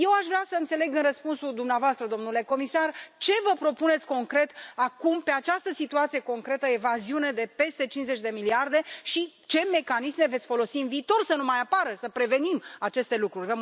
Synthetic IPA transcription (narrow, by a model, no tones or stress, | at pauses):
je̞waʃvɾeasəɨnt̪se̞le̞ɡɨnrəspunsuld̪umneavoast̪ɾəd̪o̞mnule̞ko̞misart͡ʃe̞vəpɾo̞pune̞t̪sʲko̞ŋkɾe̞t̪akumpe̞at͡ʃast̪əsit̪uat̪sijeko̞ŋkɾe̞t̪əevaziune̞d̪e̞pe̞st̪e̞t͡ʃinze̞t͡ʃʲd̪e̞miliard̪e̞ʃi | t͡ʃe̞me̞kanisme̞vet̪sʲfo̞lo̞siɨnviːt̪o̞rsənumajapaɾəsəpɾe̞ve̞nimat͡ʃe̞st̪e̞lukɾurʲve